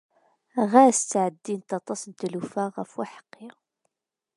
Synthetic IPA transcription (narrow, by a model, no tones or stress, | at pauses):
ʁæst͡s̪ːʕəd̪ːint̪ɑt̪ˤɑsənt̪lufaʁəfwaħə̥qːi